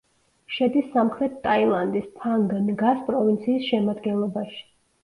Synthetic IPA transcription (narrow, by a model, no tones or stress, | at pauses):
ʃɛd̪isːamχɾɛt̪ʰt̪ʼailˠand̪ispʰaŋɡnɡaspʼɾɔvint̪sʰiːsʃɛmad̪ɡɛnlˠɔbaʃi̥